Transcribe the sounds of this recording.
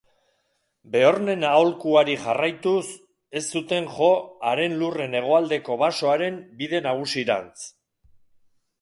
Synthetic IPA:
be̞o̞ɾne̞naolkuaɾiʝarajt̪us | e̞st̪ːut̪e̞ŋʝo̞aɾe̞nlure̞ne̞ɣ̞o̞ald̪e̞ko̞βaso̞aɾe̞mbiðe̞naɣ̞usiɾa̰nt͡s

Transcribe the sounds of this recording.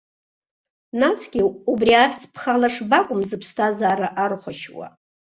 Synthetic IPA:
nasɡʲɪubriaχʲt͡sʰʼpʰχalaʂbakʷʼʊmzɨpʰstʰazaːɾaʔarχʷaʃwa̰

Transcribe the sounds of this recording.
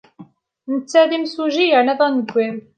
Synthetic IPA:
nət͡sːæðimsuʒijəʕnæðˤænəɡʷːeɾ

